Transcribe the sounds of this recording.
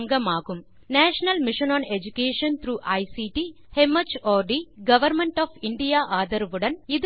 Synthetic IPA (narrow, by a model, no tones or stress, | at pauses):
ŋɡɐmaːkum | nɛːʂɐnɐlmiʃɐnaːned͡ʒukeːʂɐnt̪ʰɾuːʔɐjsiːʈiː | hemɐt͡ʃɔːɖiɡɐʋɐɾmeɳʈɔːpʰiɳɖijaːʔaːd̪ɐɾʋuɽɐnid̪